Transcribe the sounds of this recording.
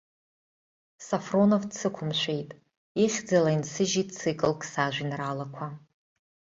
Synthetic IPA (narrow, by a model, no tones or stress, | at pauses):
safro̞novsʰɨkʷʰʊmʃʷe̞jtʼ | iχʲd͡zalainsɨʒitʼsɨkʼɨlkʰʼsaʒʷinralakʷʰa